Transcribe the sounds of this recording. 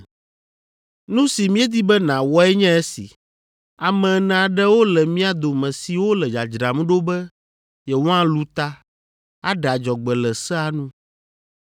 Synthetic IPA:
nũ˦si˨mĩ˦ɛ˦d̪i˦bɛ˦nã˨wɔ˦ɛ˦ɲɛ̃˦ɛ˦sḭ˨ | a˨mɛ̃˨nã˨a˨ɖɛ˦wo˦lɛ˨mĩ˦a˨d̪o˨mɛ̃˨si˨wo˦lɛ˨d͡ʒa˨d͡ʒɾa˨mũ˦ɖo˦bɛ˦ | jɛ˨wɔ̃˦ã˦lu˦t̪a˦ | a˦ɖa˨d͡ʒɔ˨ɡ͡bɛ˨lɛ˨sɛ˦a˦nũ˦

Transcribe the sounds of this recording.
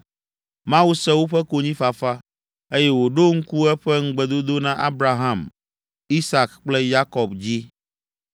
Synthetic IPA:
mã˦wu˦sɛ˦wo˦ɸɛ˦ko˨ɲĩ˦fa˨fa˦ | e˦jɛ˦wo˨ɖo˦ŋ̩˦ku˦ɛ˦ɸɛ˦ŋ̩˦ɡ͡bɛ˨d̪o˦d̪o˦nã˦ʔa˦bɾa˨ɦã˦˨m | i˦sa˨kk͡plɛ˦ja˦kɔ˨bd͡ʑi˦

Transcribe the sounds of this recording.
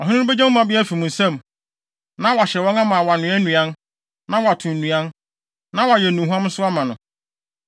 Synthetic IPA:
ɔ˨ɦɪ̃˦bɛ˦d͡ʑɛ̃˦ʊ̃˦mã˨bɪ˦ɛ˦fi˨mʊ̃˨n˨sã˦˨m | nã˦wa˨ɕɛ˨wɔ̃˦ŋã˦mã˨wa˨nʊ̃˨˦ɛ˦nũ˨ã˦n | nã˦wa˨tʰʊ̃˨n˨nũ˨ã˦n | nã˦wa˨jɛ˨nũ˨ɦã˦mʊ̃˦sʊ˦a˦mã˨nʊ̃˨

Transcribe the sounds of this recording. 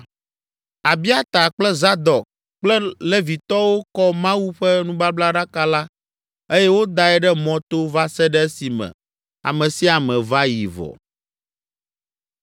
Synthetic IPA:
a˨bi˦a˦t̪a˨k͡plɛ˦za˦d̪ɔ˨k | k͡plɛ˦lɛ˦vi˨t̪ɔ˦wo˦kɔ˦mã˦wu˦ɸɛ˦nũ˦ba˦bla˦ɖa˦ka˦la˦ | e˦jɛ˦wo˦d̪a˨ɛ˦ɖɛ˦mɔ̃˦t̪o˦va˦sɛ˦ɖɛ˦si˨mɛ̰̃˨ | a̰˨mɛ̃˨si˦a˨mɛ̃˨va˦jḭ˨vɔ̰˨

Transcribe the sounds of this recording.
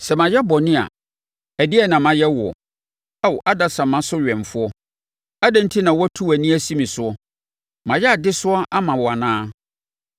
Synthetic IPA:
sɛ˨mã˨jɛ˦bɔ˨nɪ̃˦a̰˨ | æ˨dɪ˦ɛ˦nã˨mã˨jɛ˦wɔ̰˨ | a˦˨wʔa˦da˨sã˨mã˨sʊ˦ɥᶣɛ̃˨ɱ˨fʊ˦ɔ˦ | a˦dã˦n̩˦tʰi˦nã˨wɔ˦tʰu˦æ˨nĩ˦æ˦sĩ˦mĩ˨sʊ˦ɔ˦ | mã˨jɛ˦a˨dɪ˦sʊ˦ɔ˦ʔa˦mã˨wɔ˨a˨nãː˦

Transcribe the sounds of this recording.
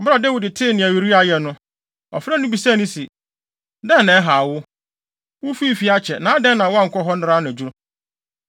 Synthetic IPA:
m̩˦bɾa˨dɛ˦wi˨dɪ˨tʰɪ˦nɪ̃˨æ˨wi˨ɾi˦a˨jɛ˨nʊ̃˦ | ɔ̰˨fɾa˦nʊ̃˦bi˨saː˦nĩ˦si˨ | dɛ̃˦nã˨˦ɦa˨wʊ˦ | wʊ˦fi˦˨fi˦a˦t͡ɕʰɛ˨nãː˨˦dɛ̃˦nːã˨wɔ˦ã˦ŋ̩˨kʰʷɔ˦ɦɔ˦nʊ˦ɾa˦ñ˨d͡ʑu˦ɾʊ˦

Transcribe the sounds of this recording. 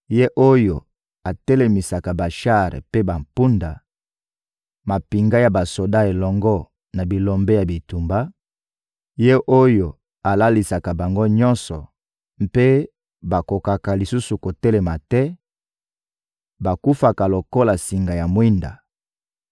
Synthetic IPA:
je˦ʔo˦jo˨ | a˨tɛ˦le˨mi˨sa˨ka˨ba˨ʃa˦˨ʁḛ˨pe˦ba˨mpu˦nda˨ | ma˨pi˨ŋɡa˦ja˨ba˨so˨da˦e˨lɔ˨ŋɡɔ˦ | na˨bi˨lɔ˨mbɛ˦ja˨bi˨tu˨mba˦ | je˦ʔo˦jo˨ | a˨la˦li˨sa˨ka˨ba˨ŋɡo˦ɲɔ̃˦nsɔ˨ | mpe˦ | ba˨ko˨ka˨ka˨li˨su˦su˨ko˨tɛ˦lɛ˨ma˨tɛ˦ | ba˨ku˦fa˨ka˨lo˨ko˦la˨si˨ŋɡa˨ja˨mwi˦nda̰˨

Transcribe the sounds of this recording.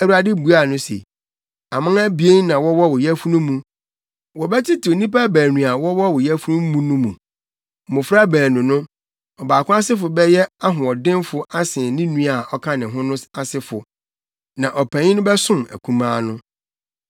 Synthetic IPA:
æ˨wu˨ɾa˨dɪ˦bu˨a˨nʊ̃˦sḛ˨ | a˨mã˦ŋæ˦bi˨e˦n˦nã˨wɔ˦wɔ˦wʊ˨jæ˦fu˦nʊ̃˦mũ˨ | wɔ˨bɛ˦tʰɪ˦tʰɪ˨o˨nĩ˦pa˦˨bæː˨nũ˨a˨wɔ˦wɔ˦wɔ˨jɛ˦fu˦nʊ̃˦mũ˦nũ˦mũ˨ | mʊ̃˨fɾa˦bæː˨nũ˨nʊ̃˦ | ɔ˨baː˨kʰʊ̃˦a˦sɪ˦fʊ˨bɛ˦jɛ˦a˦ɦʊ̃˨ɔ˨dɪ̃˦nfʊ˦ʔa˦sɪ̃˨nĩ˦nũ˦a˨ʔɔ˦kʰã˦nɪ̃˨ɦʊ̃˦nʊ̃˦sa˨sɪ˦fʊ˨ | nã˨ʔɔ˨pʰæ̃˨ɲɪ̃˦nʊ̃˦bɛ˦sʊ̃˦mæ̰˨kʰũ˦mãː˦nʊ̃˦

